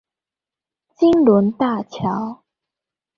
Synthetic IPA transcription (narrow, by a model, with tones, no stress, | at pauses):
t͡ɕi˥ŋlə˨˧˦nt̪a˥˩t͡ɕʰjɑ˨˦ʊ